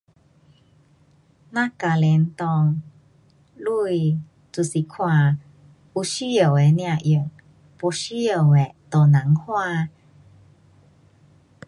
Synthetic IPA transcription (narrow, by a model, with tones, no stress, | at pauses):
na˦ka˨le˨˦nt̪ɔ˧ŋ | lu˦j | t͡su˧˨si˧kʰwa˧ | u˧ɕi˦jə˨we˨nĩ˧a˧˨ʔjə˨ŋ | po˧ɕi˦ə˨we˨t̪o˨na˨˦ŋhwa˧